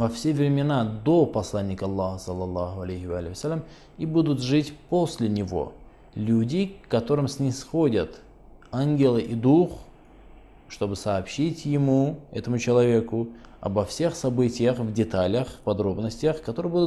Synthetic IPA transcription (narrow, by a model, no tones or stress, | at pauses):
vɐfsʲe̞vɾʲɪmʲɪnad̪opɐslˠanʲːɪkəɐlˠːɑhəsəlˠːɐlˠːɑɦʊɐlʲejhɪvalʲɪjəsʲalʲːəm | ibud̪ʊt̪ʐɨtʲpo̞sʲlʲɪnʲɪvo̞̰ | lʲudʲɪkːɐt̪o̞ɾɨmsʲnʲɪsxodʲət̪ | anɡʲɪlˠɨʔid̪ux | ʂt̪o̞bɨsɐːpɕitʲjɪmuɛ̰t̪əmʊt͡ɕɪlˠɐvʲe̞kʊɐ̰bɐfsʲe̞xsɐbɨtʲɪjəxvdʲɪt̪alʲəxpɐd̪ɾo̞bnəsʲtʲɪjəxkɐt̪oɾɨjəbud̪ʊ